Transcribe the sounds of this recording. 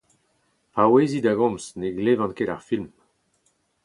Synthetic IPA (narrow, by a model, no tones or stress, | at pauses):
aweːzid̪aɡɔ̃msneɡlevɑ̃nkedaʁfilm